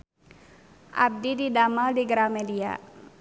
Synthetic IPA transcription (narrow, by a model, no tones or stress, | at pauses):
ʔab̚dididamaldiɡɾamedia̰